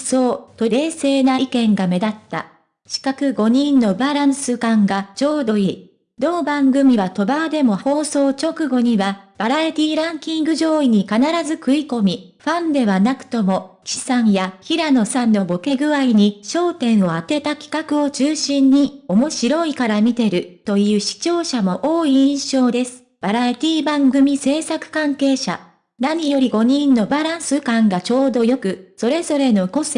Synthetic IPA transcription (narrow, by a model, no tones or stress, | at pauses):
so̞ːt̪o̞ɾe̞ːse̞ːnaikẽ̞ŋɡame̞d̪at̪ːa̰ | ɕi̥kakɯ̟ɡo̞ɲ̟ĩnːo̞baɾãɰ̃sɨkãŋɡat͡ɕo̞ːd̪o̞i | d̪o̞ːbãŋɡɯ̟mʲiβat̪o̞bad̪e̞mo̞ho̞ːso̞ːt͡ɕo̞kɯ̟ɡo̞ɲ̟iβab̥aɾaet̪ʲiːɾãŋkʲĩŋɡɯ̟ʑo̞ːiɲ̟ikanaɾazɨkɯ̟iko̞mʲi | ɸãnd̪e̞βanakɯ̟̥t̪o̞mo̞ki̥sãɰjaçiɾano̞sãnːo̞bo̞ke̞ɡɯ̟βaiɲ̟iɕo̞ːt̪ẽ̞ɰ̃o̞at̪e̞t̪akʲi̥kakɯ̟o̞t͡ɕɨːɕĩɲ̟ːio̞mo̞ɕiɾo̞ikaɾamʲit̪e̞ɾɯ̟t̪o̞jɯ̟ːɕi̥t͡ɕo̞ːɕamo̞ʔoːiĩɰ̃ɕo̞ːd̪e̞sɨ̥b̥aɾait̪ʲiːbãŋɡɯmʲise̞ːsakɯ̟̥kãŋke̞ːɕa̰ | naɲ̟ijo̞ɾʲiɡo̞ɲ̟ĩnːo̞baɾãɰ̃sɨkãŋɡat͡ɕo̞ːd̪o̞jo̞kɯ̟so̞ɾe̞zo̞ɾe̞no̞ko̞se